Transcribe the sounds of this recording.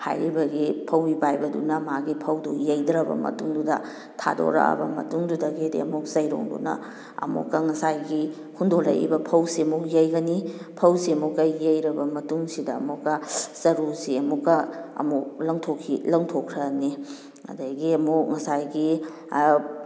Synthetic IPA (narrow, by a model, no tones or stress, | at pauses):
ha̰jɾibɐɡipʰɐwibajbɐdṵnɐmaɡipʰɐwdujejdɾɐbɐ̰mɐ̰tuŋdudɐ | tʰa̰do̰ɾɐ̰a̰bɐ̰mɐ̰tuŋdudɐɡidḛɐmuk̚sɐjɾo̰ŋdṵnɐ̰ | ɐ̰mṵkːɐŋɐsajɡi | hundolɐ̰jḭbɐpʰɐwsiɐmuk̚jɐjɡɐnipʰɐwsiɐmukːɐjejɾɐbɐmɐtuŋsidɐmukːɐz̥ɐɾuɾsiɐmukːɐɐ̰muk̚lɐŋtʰokʰːilɐŋtʰokʰɾɐni | ɐ̰dɐɡiɐmuk̚ŋɐsajɡi